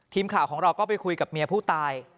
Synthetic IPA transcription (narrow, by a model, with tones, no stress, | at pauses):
t̪ʰiː˧mkʰaː˨˩wkʰɔː˩˦ɾa˧wkɔː˥˩pa˧jkʰu˧jka˨˩p̚mi˧ɐpʰuː˥˩t̪aː˧j